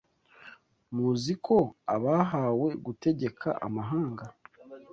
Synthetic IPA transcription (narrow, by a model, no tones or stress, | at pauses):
muzikʰo̞aβaɦaːwe̞ɡute̞ɟe̞kʰa̰ʔa̰maɦaːŋɡa